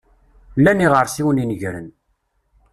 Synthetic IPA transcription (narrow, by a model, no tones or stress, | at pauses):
lːæniʁəɾsiwəninəʝɾə̰n